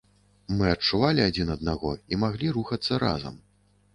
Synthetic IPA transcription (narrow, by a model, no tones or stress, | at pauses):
mɨɐt͡ʂuvalʲiad͡zʲinɐd̪naɣɔimaɣlʲiɾuxɐt̪sːɐɾa̰zɐ̰m